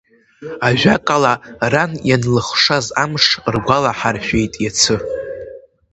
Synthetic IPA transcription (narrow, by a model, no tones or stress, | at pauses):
aʒᶣakʼalaranjanlɨχʂazamʂrɡʷalaħarʃʷᶣejtʼjat͡sʰɨ